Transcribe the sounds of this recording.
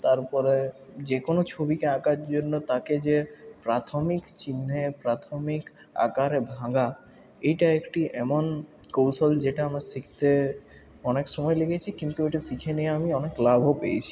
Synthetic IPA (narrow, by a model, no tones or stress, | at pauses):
t̪aɾpɔɾed͡ʑekonot͡ɕʰobikeakaɾd͡ʑonːot̪aked͡ʑepɾat̪ʰomikt͡ɕinːepɾat̪ʰomik | a̰kaɾebʱãɡa | ejʈaekʈiʔɛmonkowsold͡ʑeʈaamaɾsikʰt̪e | ɔnekʃɔmɔjlekʰet͡ɕʰikint̪ueʈasikʰenieamiɔneklabʱopḛjt͡ɕʰi̥